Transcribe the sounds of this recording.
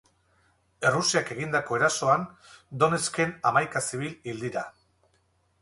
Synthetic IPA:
e̞rusiake̞ɣind̪ako̞e̞ɾaso̞and̪o̞ne̞ske̞namajkasiβ̞ilild̪iɾa

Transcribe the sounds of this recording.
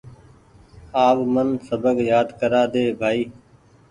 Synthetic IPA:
aːʋmənsəbəɡjaːd̪kəɾaːd̪eːbʱaːiː

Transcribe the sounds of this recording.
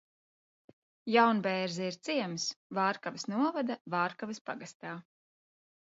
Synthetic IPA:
jawnbɛːɾzɛiɾt̪siɛmsvaːɾkavisnuɔvad̪avaːɾkavispaɡast̪aː

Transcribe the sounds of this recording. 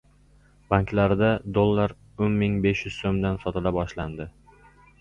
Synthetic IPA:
b̥aŋklaɾɪd̪ad̪olˠːaɾ | onmɪŋbe̞ʃjʊz̥somd̪ansɒt̪ʰɪlabɒʃland̪ɪ

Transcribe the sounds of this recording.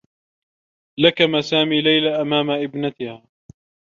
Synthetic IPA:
lakamasaːmiːlajlaʔamaːmaʔɪbnat̪ɪhaː

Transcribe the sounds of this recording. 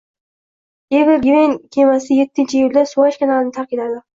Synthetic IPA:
evɪɾɡʲvenkʲʰemasɪjet̪ʰːɪnt͡ʃʰɪjulʲd̪asuwaʃkʲanalɪnɪt̪ʰaqkilad̪ɪ

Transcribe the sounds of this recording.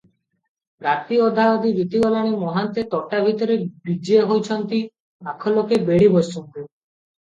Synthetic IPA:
ɾat̪iɔd̪ʱaɔd̪ibit̪iɡɔlaɽ̃imɔɦant̪et̪ɔʈabʱit̪ɔɾebid͡ʒieɦojt͡ʃʰɔnt̪i | akʰɔlokebeɽibɔsɔnt̪u

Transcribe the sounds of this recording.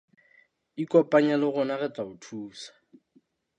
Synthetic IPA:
ikʼɔpʼaɲalɪɣʊnaɣɛt͡saʊtʰuːsḁ

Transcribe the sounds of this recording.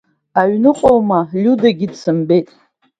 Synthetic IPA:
aɥnɨqʼowmalʲudaɡʲidsɨmbe̞jtʼ

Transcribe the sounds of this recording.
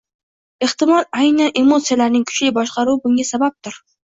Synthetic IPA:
eht̪ɪmɒlajnane̞mot̪sijalaɾnɪŋkʰʊ̥t͡ʃlɪbɒʃqɑɾuwɪbʊŋʲasabap̚t̪ʰʊɾ

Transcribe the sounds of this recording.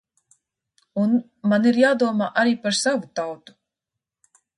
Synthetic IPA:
un | maniɾjaːd̪uɔmaːʔaɾiːpaɾsavut̪awt̪u̥

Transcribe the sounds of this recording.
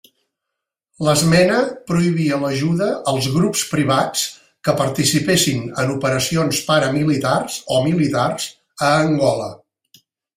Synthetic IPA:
ləzmɛnəpɾuiβiələʒuðəːlˠzɣɾupspɾiβ̞at͡s | kəpəɾt̪isipesinənupəɾəsionspaɾəmilit̪arz̥omilit̪arz̥ | əːŋɡɔlə

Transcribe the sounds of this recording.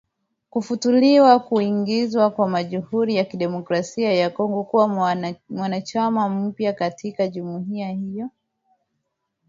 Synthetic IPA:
kufutuliwakuiŋɡizwakwamaʄuhuɾijakiɗɛmɔkɾasiajakɔŋɡɔkuwamwanat͡ʃamam̩pjakatikaʄumuɦiahijɔ

